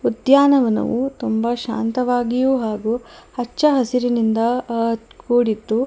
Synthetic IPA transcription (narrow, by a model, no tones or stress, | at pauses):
ud̪jaːnɐʋɐnɐ̰ʋut̪umbɐʃa̰ːnt̪ɐʋaːɡijuɦaːɡuhɐt͡ʃːɐɦɐsiɾinind̪ɐkuːɽit̪ːu